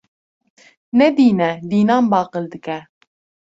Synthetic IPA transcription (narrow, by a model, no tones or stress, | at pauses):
nɛd̪iːnɛd̪iːnɑːnbɑːqɨld̪ɨkɛ